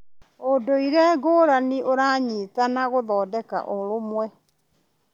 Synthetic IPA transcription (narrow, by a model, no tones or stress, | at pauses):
odoiɾɛɡoːɾaniʔoɾaɲiːtanaɣoðɔːdɛka̰ʔoɾomwɛ